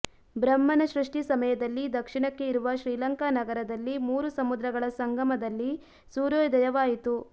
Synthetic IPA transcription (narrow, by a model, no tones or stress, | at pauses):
bɾɐmːɐnɐʃɾuʂʈisɐmɐjɐd̪ɐlːid̪ɐkʂiɳɐkːe̞iɾuʋɐʃɾiːlɐŋkanɐɡɐɾɐd̪ɐlːimuːɾusɐmud̪ɾɐɡɐɭɐsɐŋɡʱɐmɐd̪ɐlːi | suːɾoːjd̪ɐjɐʋaːjit̪u